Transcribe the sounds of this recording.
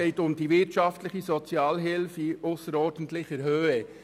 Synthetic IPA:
eɪtʊmd̥ivɪtʃɑftlɪχəzɔt͡sjɑːlɦɪlfiʊsəɾɔːɾd̥ən̩tlɪçəɾhøːɛ

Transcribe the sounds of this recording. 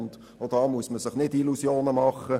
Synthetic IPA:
nt | od̥ɑːmuəsməsɪχnɪdilusjoːnəmɑχə

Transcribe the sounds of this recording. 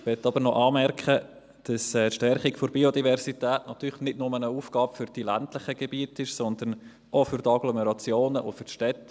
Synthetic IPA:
ʋɛt̪ːɑbəɾnɔʔɑːmɛɾkχə | d̥ɑsɛːtʃtɛrχikfoɾbiodivɛɾsitɛːtnɑt̪yːlχnɪdnʊmənəuːfɡ̥ɑːbfʏɾd̥ilæntlɪχəɡ̥ɛbiətɪʃsɔnd̪ən | ofʏɾtɑɡlɔmɛɾɑt͡sjoːnəʔofʏrʃtɛtː

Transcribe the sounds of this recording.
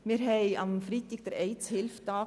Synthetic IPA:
miːɾɦɛɪɑmfɾit̪ɪɡ̥̚d̥ɛɾɛɪt͡shɪlft̪ɑː

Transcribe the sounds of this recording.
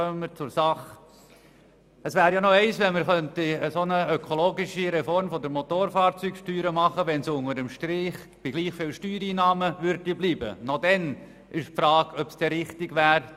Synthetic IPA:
œməmːəɾt͡sʊɾsɑχ | əsʋæːɾjanɔɛɪsʋɛnməɾχœnt̪iəsonəøkʰoloːɡiʃiɾɛfɔɾmfɔd̪əɾmot̪oːɾfɑːɾt͡sykʃtyːɾəmɑχəʋɛnsʊŋəɾəmʃtɾɪχ | b̥iɡ̥liːχfɪːlʃtyːɾiːnɑːməʋʏɾdibliːbə̰nɔd̪ɛn | ɪʃpfɾɑːɡ̥œpsd̥ɛɾɪχtɪɡʋæːɾ

